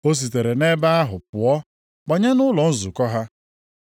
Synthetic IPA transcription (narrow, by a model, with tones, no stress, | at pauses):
o˦s̬i˨t̬e˨ɾe˨ne˦ba˦a˦ɦʊ˨pʊ˨ɔ˦ | k͡pa˨ɲa˦nʊ˦lɔ˨n̩˦zʊ˨kɔ˦ɦa˦